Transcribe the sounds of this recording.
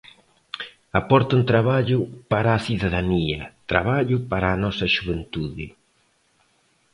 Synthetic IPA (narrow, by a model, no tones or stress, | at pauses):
apɔɾt̪unt̪ɾaβaʎʊpaɾaːθiðaðaniɐt̪ɾa̰βaʎʊpaɾaːnɔsɐʃuβent̪uðɪ